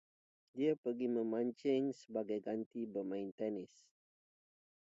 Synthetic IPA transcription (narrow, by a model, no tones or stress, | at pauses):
diapərɡimə̃mãɲt͡ʃɪŋsəbaɡajɡant̪ibəmãɪnt̪ɛnɪs